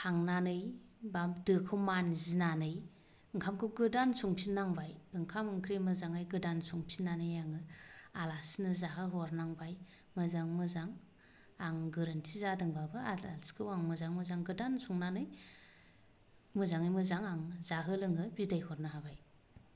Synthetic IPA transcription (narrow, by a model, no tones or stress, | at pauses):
haŋnanɯj | bamdɯkʰɯmanzinanɯj | ɯŋkʰamkʰɯɡɯdansuŋpʰinːaŋbajɯŋkʰamɯŋkʰɾemɯzaŋajɡɯdansuŋpʰinːanɯjaŋɯalasnɯzaɦɯɦɔɾnaŋbaj | mɯzaŋmɯzaŋ | aŋɡɯɾɯntʰizadɯŋbabɯalalskʰɯwaŋmɯzaŋmɯzaŋɡɯdansʰuŋnanɯj | mɯzaŋajmɯzaŋaŋzaɦɯlɯŋɡɯbidajhɔɾnɯɦabaj